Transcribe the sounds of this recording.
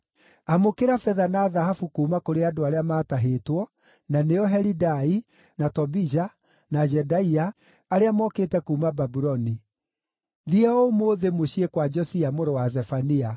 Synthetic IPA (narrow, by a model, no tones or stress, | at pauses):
amokeɾafɛðanaːðaɦafukuːmakoɾeadoaɾeamaːtaɦetwɔ | naneɔɦɛɾidai | natɔbid͡ʒa | nad͡ʒɛdaiaː | ɾeamɔketɛkuːmababuɾɔni | ðiɛɔomoðemoɕiekwad͡ʒɔsiamoɾowazɛfania